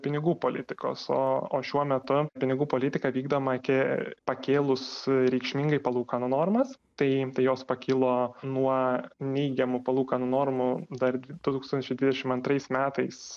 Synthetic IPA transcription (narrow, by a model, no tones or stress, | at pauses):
pʲɪnʲɪɡuːpoːlʲɪt̪ʲɪko̰ːso̰ːoːʃʲuɔmʲɛt̪ʊpʲɪnʲɪɡuːpoːlʲɪt̪ʲɪkɐʋʲiːɡd̪oːmɐɐkʲɪpɐkʲeːlˠʊsɾʲɛɪkʃʲmʲɪŋɡɐɪpɐlˠuːkɐnonoːrmɐst̪ɐɪt̪ɐɪjoːspɐkʲɪlˠoːnuɔnʲɛɪɡʲɛmʊpɐlˠuːkɐnonoːrmʊd̪ɐrd̪ʲd̪̥ʊt̪uːkst̪ɐnʲt͡ʃʲɛɪd̪ʲʋʲɪd̪ʲɛʃʲɪmɐnt̪ɾɐɪsmʲæːt̪ɐɪs